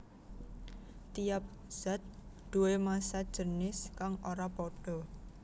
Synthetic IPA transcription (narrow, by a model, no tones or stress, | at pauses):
t̪ijap̚ | z̥at̪̚d̪̥uwemasad̥ʒ̥ənɪskaŋoɾapoɖ̥ɔ̤